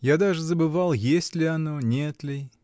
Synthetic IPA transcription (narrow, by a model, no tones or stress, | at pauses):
jad̪aʐɨzəbɨvalˠjesʲtʲlʲɪɐno̞nʲet̪lʲɪ